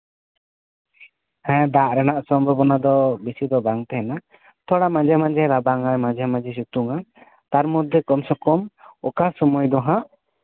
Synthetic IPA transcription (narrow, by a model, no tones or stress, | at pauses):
hɛ̃d̪aʔɾɛnaʔsɔmbʱɔbɔnad̪ɔbisid̪ɔbaŋt̪ɛɦɛna | t̪ʰɔɽamãd͡ʒɛmãd͡ʒɛɾabaŋajmãd͡ʒɛmãd͡ʒɛs̬ut̪uŋa | t̪aɾmɔd̪ʱːɛkɔmsɔkɔmɔkasɔmɔjd̪ɔɦãʔ